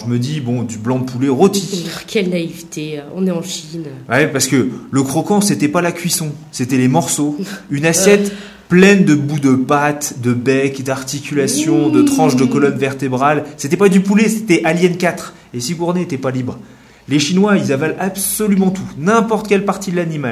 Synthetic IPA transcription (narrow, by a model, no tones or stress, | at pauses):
ʒəməd̪ibɔ̃d̪yblɑ̃d̪əpuleʁot̪ikʰʲɛlnaivt̪eɔ̃nɛɑ̃ʃinwɛpaʁsə̥kələkχɔkɑ̃set̪ɛpalakʲɥisɔ̃ | set̪ɛlemɔʁsoynasjɛt̪ | plɛnd̪əbud̪əpat̪d̪əbɛkd̪aʁt̪ikʲylasjɔ̃d̪ət̪χɑ̃ʃd̪əkɔlɔnvɛʁt̪ebʁalset̪ɛpad̪ypulese̥t̪ɛʔaljɛnkat̪χ | esiɡuʁneet̪ɛpalibʁ | leʃinwailzavalabsɔlymɑ̃t̪ʰunɛ̃pɔʁt̪kʲɛlpaʁt̪id̪əlanimal